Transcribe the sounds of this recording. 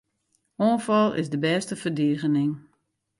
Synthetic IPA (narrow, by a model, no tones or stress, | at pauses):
oːnfɔlˠɪ̰sdəbɛːstəfərdiəɣənɪŋ